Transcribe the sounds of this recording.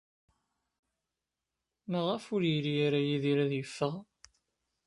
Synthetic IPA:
məʁəfʊɾjiɾijaɾajiðiɾæðjəfːəʁ

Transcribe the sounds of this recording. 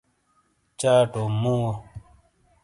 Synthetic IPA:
t͡ʃaːʈomũwo

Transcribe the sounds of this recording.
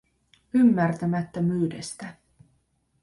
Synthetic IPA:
ymːært̪æmæt̪ːømyːdest̪æ

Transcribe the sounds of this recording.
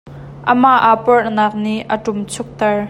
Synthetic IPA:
ʔəmaʔapɔrnaːk̚niʔʔəʈʊmt͡sʰʊk̚t̪ɛɹ

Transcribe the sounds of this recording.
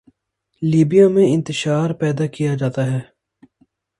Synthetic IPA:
liːbijamẽɪ̃nt̪ɪʃaːɾpɛːd̪akijad͡ʒaːt̪aɦɛː

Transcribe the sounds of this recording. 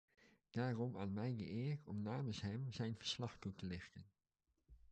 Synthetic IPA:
d̥aːrɔmaːnmɛjɡə̰ʔɪːɹtɔmnaːmənsɦɛmzɛjnvəɹslɑχtutəlɪxtən

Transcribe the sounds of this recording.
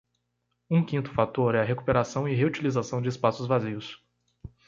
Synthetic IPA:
ũkĩnt̪ʊfat̪oɾɛɐɦeku̥peɾasɐ̃w̃ɪɦeut͡ʃilizasɐ̃w̃d͡ʒɪːspasʊzvaziʊs

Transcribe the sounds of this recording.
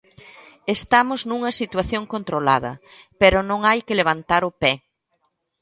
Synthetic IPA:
est̪amʊznuŋɐsit̪waθjoŋkont̪ɾola̰ðɐ̰ | peɾʊnõŋajkɪleβ̞ant̪aɾʊpɛ

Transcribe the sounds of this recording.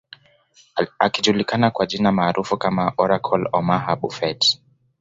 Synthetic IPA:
akiʄulikanakwaʄinamaːɾʔufukamaʔɔɾakʰɔlɔmaɦaɓṵfɛt

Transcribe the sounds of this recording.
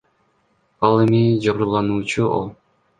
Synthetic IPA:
ɑlˠemid͡ʒɑβɾulˠɑnuːt͡ʃuo̰lˠ

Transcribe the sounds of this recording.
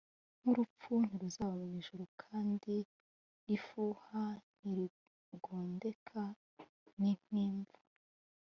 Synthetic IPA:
n̥uɾup͡fun̥iɾuzaːβamimiʒuɾukʰaːndi | ifuhan̥iɾi | ɡoːnde̞kʰa | nin̥iːɱvu

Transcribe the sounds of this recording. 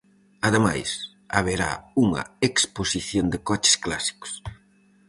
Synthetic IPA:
ɐðema̰js | a̰βeɾa̰uŋɐ̰eksposiθjond̪ɪkɔt͡ʃɪ̥sklasi̥kʊ̥s

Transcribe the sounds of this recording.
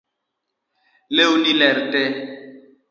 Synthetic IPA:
leunilɛɾtɛ

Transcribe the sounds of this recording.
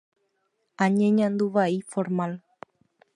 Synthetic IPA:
aɲẽɲãnd̪uʋaifoɾmal

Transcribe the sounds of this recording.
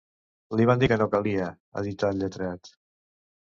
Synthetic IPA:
liβand̪ikənokaliə | ə̰ðit̪at̪ʎət̪ɾat̪

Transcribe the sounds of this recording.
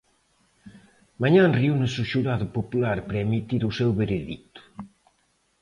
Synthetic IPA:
maɲãnriunesuʃuɾaðʊpopulaɾpɾemit̪iɾusewβeɾeðḭt̪ʊ̥

